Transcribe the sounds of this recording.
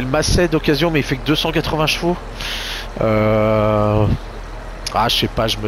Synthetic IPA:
lmasɛd̪ɔkʲazjɔ̃mɛifɛkd̪øsɑ̃kat̪χəvɛ̃ʃfo | ø | aʃɛpaʒəmə

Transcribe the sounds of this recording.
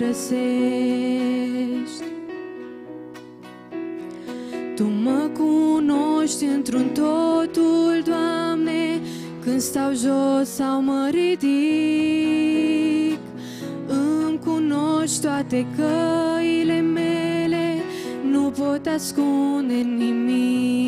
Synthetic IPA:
ɾəse | ʃt̪ʲ | t̪uməkunoʃt̪ʲɨnt̪ɾunt̪ot̪uld̪wamne | kɨnd̪st̪awʒossawməɾid̪i | k | ɨmkunot̪oat̪ekəilemele | nupot̪askund̪enimi

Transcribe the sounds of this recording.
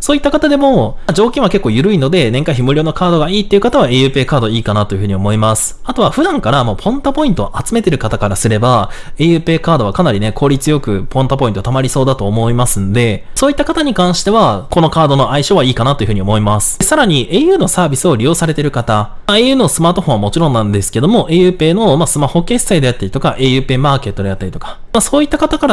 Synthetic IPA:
so̞ːit̪ːakat̪ad̪e̞mo̞d͡ʑo̞ːkʲĩɰ̃βake̞kːo̞ːjɯ̟ɾɯ̟ino̞d̪e̞nẽ̞ŋkaçimɯ̟ɾʲo̞ːno̞kʰaːd̪o̞ɡaiːt̪ːeiɯ̟kat̪aβaejɯ̟ːpe̞ːkaːd̪o̞iːkanat̪o̞jɯ̟ɸɯ̟ɲ̟io̞mo̞imasɨ̥at̪o̞βaɸɯ̟d̪ãŋkaɾamo̞ːpʰõ̞nt̪apo̞ĩnt̪o̞ʔat͡sɨme̞t̪e̞ɾɯ̟kat̪akaɾasɨɾe̞baejɯ̟ːpe̞ːkaːd̪o̞β̞akanaɾʲine̞kʰo̞ːɾʲit͡sɨjo̞kɯ̟pʰõ̞nt̪apo̞ĩt̪t̪amaɾʲiso̞ːd̪at̪o̞ːmo̞imasɨ̃nod̪e̞so̞ːit̪ːakat̪aɲ̟ikãɰ̃ɕi̥t̪e̞βako̞no̞kaːd̪o̞no̞ʔaiɕoβaiːkanat̪o̞jɯ̟ɯ̟ɲ̟iomo̞imasɨ̥saɾaɲ̟iʔeːjɯ̟ːno̞saːbʲisɨo̞ɾʲijo̞ːsaɾe̞t̪e̞ɾɯ̟kat̪a | aejɯ̟ːno̞sɨmaːt̪o̞hõ̞amo̞t͡ɕiɾõ̞nːãnd̪e̞sɨ̥ke̞d̪o̞mo̞ʔejɯ̟ːpe̞ːno̞masɨmaho̞kːe̞ːsɨ̥t̪aid̪e̞jat̪ːaɾit̪okaʔe̞jɯ̟ːpe̞ːmaːke̞t̪ːo̞d̪e̞jat̪ːaɾʲit̪o̞kḁ | maso̞ːit̪ːakat̪akaɾa

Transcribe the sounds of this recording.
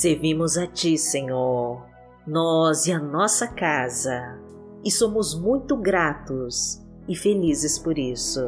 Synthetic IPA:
seɾvĩmʊzat͡ʃisẽɲoɾ | nɔzɪɐnɔsɐkazɐ | ɪsõmʊzmũj̃t̪ʊɡɾat̪ʊs | ɪfelizɪspoɾisʊ

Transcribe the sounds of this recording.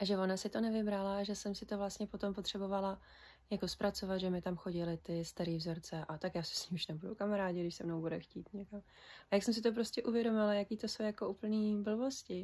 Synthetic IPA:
ʔaʒɛvo̞nasɪt̪o̞nɛvɪbɾalaʒɛsɛmsɪt̪ovlast̪ɲɛpot̪o̞mpo̞t̪r̥ɛbo̞vala | jako̞spɾat͡so̞vat̪ʒɛmɪt̪amxo̞ɟɪlɪt̪ɪst̪aɾiːvzo̞ɾt͡sɛʔat̪akjaːsɛ̥sɲiːmuʃnɛbudṵkamaɾaːɟɪɡdɪʃsɛmnowbudɛxciːt̪ɲɛkam | ajaksɛms̬ɪt̪op̬ɾo̞scʲɛʔuvjɛdo̞mɪlajakiːt̪o̞so̞wjako̞ʔuːpl̩niːbl̩vo̞scɪ

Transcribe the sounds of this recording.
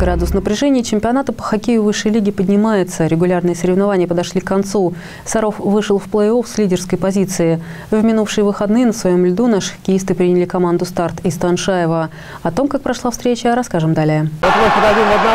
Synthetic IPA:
ɡɾad̪ʊsnəpɾʲɪʐɛnʲɪjət͡ɕɪmʲpʲɪɐnat̪əpə̥xɐkʲejʊvɨʂːəjlʲiɡʲɪpədʲnʲɪmajɪt̪səɾʲɪɡʊlʲarnɨjəsəɾʲɪvnɐvanʲɪjəpəd̪ɐʂlʲikkːɐnt̪su | sɐɾo̞fvɨʂɨlˠfplˠəjo̞fsʲlʲidʲɪrskəjpɐzʲit̪sɨɪ | vmʲɪnufʂɨjəvɨxɐd̪nɨjənəsvɐjo̞mlʲd̪unaʂɨ̥xə̥kʲɪjist̪ɨpɾʲinʲɪlʲɪkɐmand̪ʊst̪art̪ɪst̪ɐnʂajɪvə | ɐt̪o̞mkak̚pɾɐʂlˠafst̪ɾʲet͡ɕəɾɐskaʐɨmd̪alʲɪjəɛt̪əmɨpəd̪ɐdʲimvɐd̪na

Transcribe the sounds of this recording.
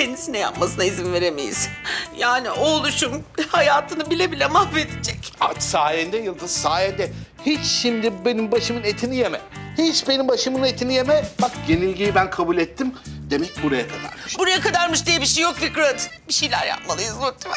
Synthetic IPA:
enisinɛja̰p̚masɯnaizimve̞ɾemḛjḭz̥jaːniʔolˠuʃumhajaːt̪ʰɯnɯbilʲebilʲɛmahved̪id͡ʒɛcat͡ʃsaːjɛnd̪ɛjɯlˠd̪ɯzsaːjɛnd̪ɛ | hit͡ʃʃimd̪ibe̞nimbaʃɯmɯnet̪ʰinijemɛ̰hit͡ʃbenimbaʃɯmɯnet̪ʰinije̞mɛbakɟe̞nilʲɟijibænkʰabulʲɛt̪ʰːimd̪e̞mɛc̚buɾajakʰad̪a̰ɾmiʃbuɾajakad̪aɾmɯʃd̪ijeɛbiʃejok̚fikɾat̪biʃejlʲæ̰ɾja̰p̚malˠɯjɯzut̪ʰ

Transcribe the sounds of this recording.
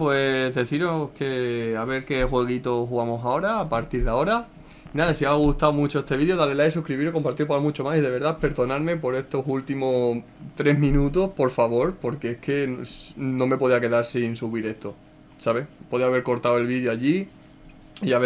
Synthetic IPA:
pwe̞zðe̞θiɾohke̞aβe̞ɾke̞xwe̞ɣ̞it̪o̞xuɣamo̞sao̞ɾaːpaɾt̪iɾðao̞ɾa | naðasiaɣ̞uht̪awmut͡ʃo̞e̞st̪eiðjo̞ðalelajsuhkɾiβiɾoko̞mpaɾt̪iɾpaɾamut͡ʃo̞masiðeβ̞e̞ɾðape̞ɾðo̞naɾme̞po̞ɾe̞st̪o̞sult̪imo | t̪ɾe̞ɦmĩnũt̪o̞po̞ɾfaβo̞ɾpo̞ɾke̞ehke̞ | nõ̞me̞po̞ð̞iake̞ðaɾsinsuβiɾe̞ht̪o̞ | saβepo̞ðiaβ̞e̞ɾko̞ɾt̪awe̞lβiðjoaʎi | iaβe

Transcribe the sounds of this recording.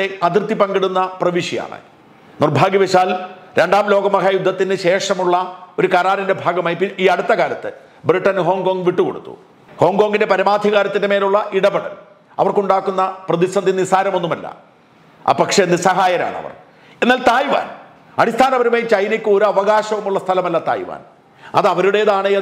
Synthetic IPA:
eɐt̪irt̪ːipɐŋɡiɽunːɐprɐʋiʂija̰ːɳɨ̰ | nirbʱaːɡiʋeɕaːlɾe̞ɳɖaːmlo̞ːɡɐmɐkʰɐjud̪ʱːɐt̪ːinɨɕe̞ːʂɐmuɭːɐo̞ɾukɐɾaːɾɐnde̞bʱaːɡɐmaːjipiiːɐɽut̪ːɐkaːɾɐt̪ːɨ | briʈːɐnɦo̞ːŋɡoːŋɡʋiʈːuko̞̰ɽut̪ːṵ | ho̞ːŋɡo̞ːŋɡindepɐɾɐmaːd̪ʱiɣaːɾɐt̪ːindeme̞ːluɭːɐʔiɽɐbeɽɐ̰n | ɐ̰ʋɐrkuɳɖaːkːunːɐprɐðisɐnd̪ʱinisaːɾɐmo̞nːumɐlːɐ̰ | a̰pɐkʂenːisɐɦaːjɐɾa̰ːɳɨɐ̰ʋɐ̰r | enːaːlt̪aːjʋa̰ːn | ɐɽist̪ʰaːnɐʋɐɾumeːt͡ɕɐjnikʲːɨo̞ɾuɐʋɐɣaːɕɐʋumuɭːɐst̪ʰɐlɐmɐlːɐt̪a̰ːjiʋa̰ːn | ɐ̰ðɐʋɐɾuɽe̞jɐðaːɳɨɐ

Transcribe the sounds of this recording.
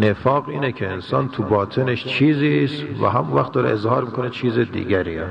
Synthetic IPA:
nefɒːɣiːnekʰe̞ensɒːnt̪ʰubɒːt̪ʰeneʃt͡ʃʰiːzist̪væ̰ɦæmunvæxt̪d̪ɒːɾḛʔezhɒːɾmiːkʰonet͡ʃʰiːzed̪ḭːɡæɾiɛ

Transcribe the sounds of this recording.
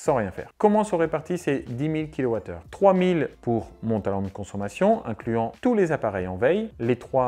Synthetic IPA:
sɑ̃ʁjɛ̃fɛ̰ːʁkɔmɑ̃sɔʁepaʁt̪ised̪imilkʲilɔwat̪œ̰ːʁt̪χwamilpuʁmɔ̃t̪alɔ̃d̪əkɔ̃sɔmasjɔ̃ʔɛ̃klyɑ̃t̪ulezapaʁɛjɑ̃vɛjlet̪χwa

